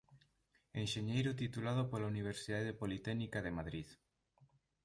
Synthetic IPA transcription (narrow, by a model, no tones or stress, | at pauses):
ẽnʃeɲejɾʊt̪it̪ulað̞ʊpolauniβeɾsiðaðepolit̪ɛnikaðemaðɾið